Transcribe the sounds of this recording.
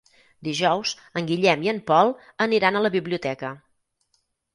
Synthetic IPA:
d̪iʒɔwz | əŋɡiʎɛmiəmpɔlˠ | əniɾanələβiβliut̪ɛkə

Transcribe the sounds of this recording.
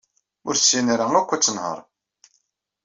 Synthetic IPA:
ʊɾsːinaɾæŋækʷːæt͡sːənhə̰ɾˤ

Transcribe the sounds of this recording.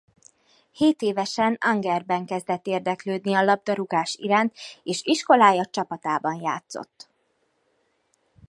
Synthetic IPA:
heːt̪eːvɛʃɛnɒŋɡɛrbɛŋkɛzd̪ɛt̪ːeːrd̪ɛkløːd̪niɒlɒb̚d̪ɒɾuɡaːʃḭɾaːnt̪eːʃiʃko̞laːjɒt͡ʃɒpɒt̪aːbɒnja̰ːt̪so̰t̪ː

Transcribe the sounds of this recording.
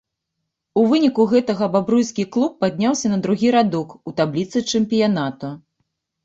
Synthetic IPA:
uvɨnʲikuɣɛt̪ɐɣɐbabɾujskʲiklˠupːad̪ʲnʲawsʲɐnɐd̪ɾuɣʲiɾad̪ɔkut̪ablʲit̪sɨt͡ʂɨmpʲijanat̪u

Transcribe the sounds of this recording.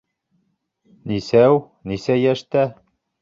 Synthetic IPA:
nisæw | nisæjæʃt̪æ

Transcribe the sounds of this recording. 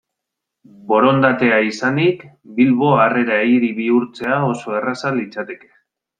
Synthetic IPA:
bo̞ɾo̞nd̪at̪e̞aisanikbilβo̞are̞ɾaejɾiβiuɾt͡se̞ao̞so̞e̞rasalit͡sat̪e̞ke̞̥

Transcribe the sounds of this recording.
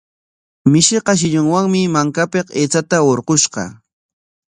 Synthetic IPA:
mɪʃɪqɑʃ̬ɪʎʊŋwaŋmɪmaŋkapeqet͡sat̪aoɾqoʃqɑ̰

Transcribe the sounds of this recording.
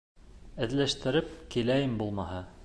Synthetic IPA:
ɘ̆ðlæʃt̪ɘ̆ɾɘp̚kilæjɘmbulˠmɑhɤ

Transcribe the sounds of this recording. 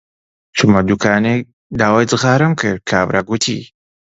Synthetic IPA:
t͡ʃumad̪ukʰaːne | d̪aːwajd͡zɨɣaːɾɨmkʰɨɾkʰawɾʔaɡut̪ʰḭ

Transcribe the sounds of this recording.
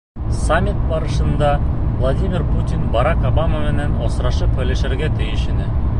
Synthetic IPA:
samʲːit̪̚bɑɾəʃɤ̆nd̪ɑvlˠadʲimʲɪrput̪ʲinbɑɾɑkobamamenænosɾɑʃɤpɘleʃɘ̆ɾɡʲet̪ʰɪjɪ̆ʃɘ̆nɘ

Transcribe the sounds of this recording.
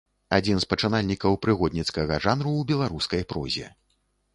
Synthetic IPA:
ad͡zʲinspɐt͡ʂɨnalʲnʲikɐwpɾɨɣɔd̪ʲnʲit̪skɐɣɐʐanɾubʲɛlˠaɾuskɐjpɾɔ̰zʲɛ̰

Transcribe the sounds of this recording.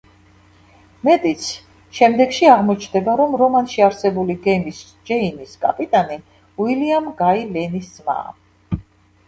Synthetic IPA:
mɛt̪ʼit̪sʰ | ʃɛmd̪ɛɡʃiaʁmɔt͡ʃʰnd̪ɛbaɾɔmɾɔmanʃiaɾsɛbuliɡɛmis | d͡ʒɛiniskʼa̰pʼit̪ʼani | wiliamɡailɛnisma̰

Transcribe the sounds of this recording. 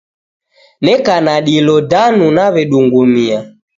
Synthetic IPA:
nɛkanaɗilɔdanunaβɛɗuŋɡumia

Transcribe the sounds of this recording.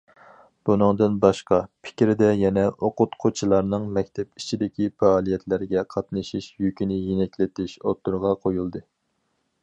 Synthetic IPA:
b̥unɨŋd̪ɨnbɑʃqɑpʰɪ̥kʲɾɪd̪ɛjɛnɛʔoqʊt̪qʰot͡ʃʰilˠɑɾnɨŋmɛk̚ʲt̪ʰɛp̚it͡ʃʰid̪ɪkʲʰifɑːlˠijɛt̪ʰlæɾɡʲɛqʰɑt̪nɨʃiʃjykʲinɪjenɛkʲlɪt̪ɪʃot̪ːuɾʁɑqʰojulˠd̪ɨ

